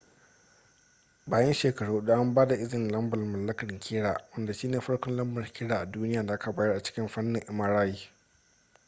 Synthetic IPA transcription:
baː˨jɐ˦nʃeː˨kɐ˨ɽuː˦hɗu˦ʔa˦mbaː˦da˨ʔɪ˦zɪ˨n˨lɐ˦mbɐ˨rmɐ˨lːɐ˦kɐ˨ŋkʲʰɪː˦ɽaː˨wɐ˦nda˨ʃiː˦neː˨ɸɐ˦ɽkɔ˦nlɐ˦mbɐ˨rkʲʰɪː˦ɽaː˨ʔa˨duː˦nɪ˦jaː˨da˨ʔa˦ka˨baː˦jɐ˦rʔa˨t͡ʃɪ̥˦kʲɪ˦mɸɐ˦nːɪ˨ŋʔɪ˨mɐ˨ɾaː˦jiː˦

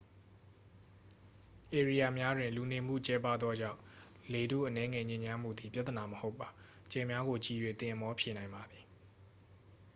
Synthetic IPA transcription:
ʔe˨ɹi˨ja˨mja˦dwɪ̃˨nlu˨ne˨m̥ṵ˦˨t͡ɕɛ˦pa˦˨d̪ðwɔ˦d͡ʑã̰˦˨ʊ̃ | le˨dṵ˦˨ʔənɛ˦ŋɛ˦˨ɲẽ˦ɲa˦m̥ṵ˦˨d̪i˨pja˦ʔt̪əna˨məho˦ʊpːa˨ | t͡ɕɛ̃˨mja˦ɣo˨t͡ɕi˨jwe˨t̪ɪ̃˨ʔəmɔ˦pʰje˨nã˨ɪ̃mba˨d̪ði˨

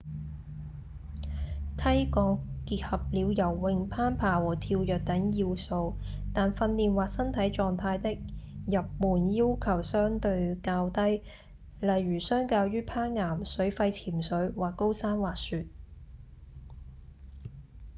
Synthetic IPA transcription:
t̪ʰɐ˥jkɔː˧ŋkiː˧t̚hɐ˨p̚liː˨˧wjɐ˨˩wːɪ˧ŋpʰaː˥npʰaː˨˩wɔː˨˩t̪ʰiː˧wjœː˨k̚t̪ɐ˨˥ŋjiː˧wso˧wt̪aː˨nfɐ˧nːiː˨˩nwaː˨k̚sɐ˥nt̪ʰɐ˨˥jt͡ʃɔː˨ŋt̪ʰaː˧jt̪ɪ˥k̚jɐ˨p̚muː˨˩njiː˥wkʰɐ˨˩wsœː˥ŋt̪ɵ˧ɥkaː˧wt̪ɐ˥j | lɐ˨˩jɥyː˨˩sœː˥ŋkaː˧wjyː˥pʰaː˥nŋaː˨˩msɵ˨˥ɥfɐ˧jt͡sʰiː˨˩msɵ˨˥ɥwaː˨kːo˥wsaː˥nwaː˨k̚syː˨t̚

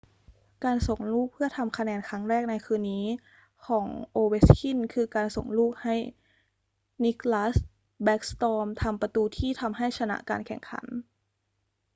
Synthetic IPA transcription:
kaː˧nso˨˩ŋluː˥˩k̚pʰɯ˥˩ɐt̪ʰa˧mkʰa˧nɛː˧nkʰa˦˥ŋɾɛː˥˩k̚na˧jkʰɯː˧nːiː˦˥ | kʰɔː˩˦ŋʔoː˧we˦˥skʰi˥˩nkʰɯː˧kaː˧nso˨˩ŋluː˥˩k̚ha˥˩j | ni˦˥klaː˦˥s | bɛː˦˥k̚st̪ɔː˧mt̪ʰa˧mpa˧t̪uː˧t̪ʰiː˥˩t̪ʰa˧mɦa˥˩jsʰa˧na̰˦˥ʔka̰ː˧nkʰɛ̰˨˩ŋkʰa̰˩˦n

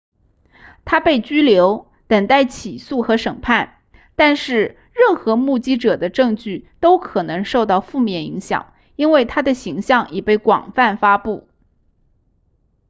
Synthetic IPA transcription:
t̪ʰa˥pe˥˩ɪt͡ɕy˥ljo˧˥ʊ | t̪ə˨˩ŋt̪a˥˩ɪt͡ɕʰi˨˩su˥˩xɤ˧˥ʂə˨˩ŋpʰa˥˩n | t̪a˥˧nʂɻ̩˥˧ | ɻə˥˩nxɤ˧˥mu˥˩t͡ɕi˥ʈ͡ʂɤ˨˩d̪ə˦ʈ͡ʂɤ˥˧ŋt͡ɕy˥˩t̪o˥ʊkʰɤ˨˩nɤ˧˥ŋʂo˥˧ʊt̪ɑ˥˧ʊfu˥˧mjɛ˥˩ni˧˥ŋɕjɑ̰˨˩˦ŋ | i˥nwe˥˩ɪt̪ʰa˥d̪ə˨ɕi˧˥ŋɕjɑ˥˩ŋɛ˨˩pe˥˩ɪkwɑ̰˨˩ŋfa˥˩nfa˥pu˥˩

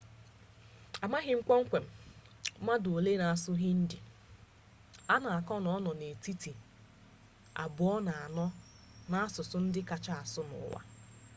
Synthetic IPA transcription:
a˨ma˦ɣɪ˦ŋ̩˦kʷɔ˦ŋ̩˦kʷe˨m̩˦ma˦do˨le˦na˨a˨sʊ˦ɦɪ˦n̩˦dɪ˨ | a˦na˨a˨kɔ˦nɔ˦ɔ˦nɔ˨ne˨ti˦ti˨ | a̰˨bʊ˨ɔ˦na˨a˨nɔ˦ | na˦a˦sʊ˨sʊ˦n̩˦dɪ˦ka˨t͡ʃa˦a˨sʊ˦nʊ̰˨˦wa̰˦

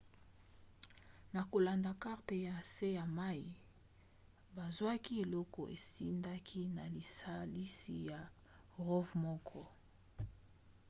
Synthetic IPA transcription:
na˨ko˨la˨nda˨ka˦ʁte˨ja˨se˦ja˨ma˦i˨ | ba˨zwa˦ki˦e˨lɔ˦kɔ̰˨ʔḛ˨si˦nda˦kʰi˦na˨li˨sa˦li˦si˨ja˨ | ʁo˦vmɔ˦kʰɔ˦

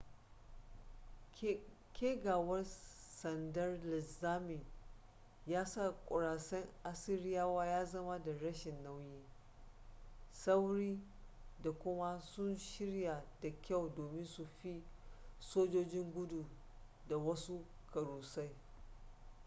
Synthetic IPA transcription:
kʲʰeː˦ɡaː˨wɐ˦rsɐ˨ndɐ˦rlɪ˨zaː˦mi˨ | jaː˦sa˦˨kʷʼʊ˨ɾaː˨sɐ˦ŋʔa˦sɪ˦ɾɪ˦jaː˦waː˦jaː˦zɐ˦ma˦da˨ɾɐ˦ʃɪ˨nːa˦wjiː˦ | sa˦wɾiː˦ | da˨kʷʊ˦ma˦sʊ˦nʃɪ˦ɽja˨da˨kʲa˦˨wdoː˨mɪ˦nsu˨ɸi˦soː˦d͡ʒoː˦d͡ʒɪ˦ŋɡʷʊ˦du˨ | da˨wɐ˦su˦ | kʰɐ˨ɾuː˨sa˦j

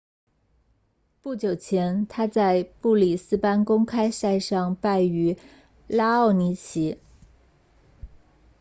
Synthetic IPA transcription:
pu˥˩t͡ɕjo˨˩ʊt͡ɕʰjɛ˧˥nt̪ʰa˥t͡sa˥˧ɪpu˥˩li˨˩sɹ̩˥pa˥nkʊ˥ŋkʰa˥ɪsa˥˧ɪʂɑ˥˧ŋpa˥˩ɪy˧˥ | la˥ɑ˥˩ʊni˧˥t͡ɕʰi˧˥

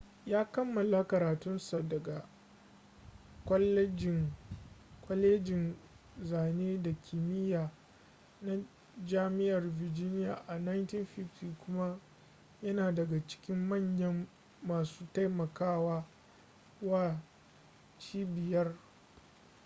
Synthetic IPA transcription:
jaː˦kɐ˦mːɐ˨la˦kɐ˨ɾaː˨tʊ˦nsa˨dɐ˨ɡa˨ | kʷɔ˦lːɛ˦d͡ʒɪ˨ŋ | kʷɔ˦leː˦d͡ʒɪ˨n | zaː˨neː˦da˨kʲʰɪ˨mɪ˦jaː˨ | na˦ | d͡ʒaː˦mɪ˦ʔɐ˨rvɪ˨d͡ʒɪ˦nɪ˦jaː˨ʔa˨na˦jntɪ˦nɸɪ˦fti˨kʷʊ˦ma˦ | jɐ˦naː˨dɐ˨ɡa˨t͡ʃɪ̥˦kʲɪ˦mːɐ˦˨ɲjɐ˦mː | aː˨suː˦ta˦jmɐ˨kaː˦waː˦ | waː˦˨ | t͡ʃiː˦bɪ˨jɐ˦r

